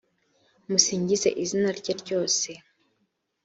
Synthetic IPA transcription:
musiːɲɟize̞̰ʔizinaɾɟaɾɟo̞ːse̞

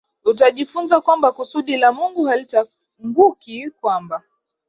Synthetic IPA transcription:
utaʄifunzakwambakusuɗilamuŋɡuhalita | ŋɡukikwamba

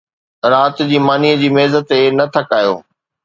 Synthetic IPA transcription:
ɾaːt̪d͡ʑiːmaːniəd͡ʑiːmeːzət̪enɐt̪ʰɐkaːjo̰ː

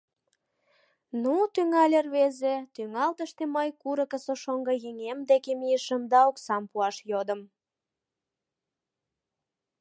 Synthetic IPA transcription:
nut̪yŋɑlʲerβezet̪yŋɑlt̪əʃt̪eməjkuɾə̆kə̆soʃoŋɡɤ̆jeŋemd̪ekemiəʃəmd̪ɑoksɑmpuɑʃjod̪əm

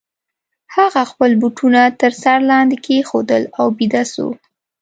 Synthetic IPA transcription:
haɣaxpəlbuʈʰunat̪əɾsaɾlɑnd̪ekʰexod̪əlawbid̪aso̰

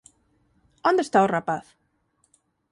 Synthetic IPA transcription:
ond̪est̪aorapaθ

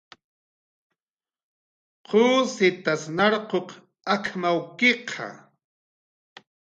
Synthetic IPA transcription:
qʰoːsɪt̪asnɑɾqoq | akmawkeqʰɑ̰

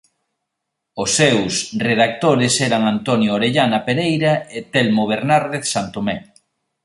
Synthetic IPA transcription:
ʊsːewsreðak̚t̪oɾɪsɛɾaŋant̪ɔnjooɾeʎanɐpeɾejɾaet̪ɛlmoβ̞eɾnaɾðeθsant̪omɛ

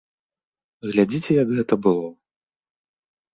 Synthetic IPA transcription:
ɣlʲad͡zʲit͡sʲɛjɐɡɣɛt̪ɐbɨlˠɔ

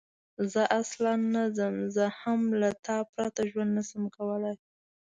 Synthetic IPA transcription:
zəʔaslɑnːazəmzəhamlat̪ɑpɾɑt̪aʒwand̪nasəmkawəlaj

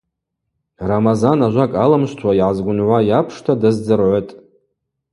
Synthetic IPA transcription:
ramazanaʒʷakʼalamʃʷtʰwaiʕazɡʷʊnʕʷajapʰʂtʰadɨzd͡zɨrʕʷotʼ

